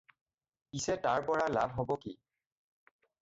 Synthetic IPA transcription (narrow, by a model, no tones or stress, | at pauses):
pisɛtaɹpɔɹala̰bʱɦɔbɔki